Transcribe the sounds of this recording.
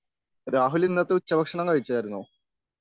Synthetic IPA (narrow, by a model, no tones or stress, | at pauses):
ɾaːɦulinːɐt̪ːɨut͡ɕːɐbʱɐkʂɐɳɐmkɐɻit͡ɕːɐɐɾunːu